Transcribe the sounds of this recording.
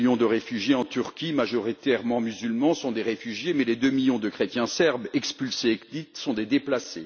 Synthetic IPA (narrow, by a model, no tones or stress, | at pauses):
jɔ̃d̪əʁefyʒjeɑ̃t̪yʁkʲimaʒɔʁit̪ɛʁmɑ̃myzylmɑ̃sɔ̃d̪eʁefyʒjemɛled̪ømiljɔ̃d̪əkχet̪jɛ̃sɛʁbɛkspylseːkd̪it̪sɔ̃d̪ed̪eplase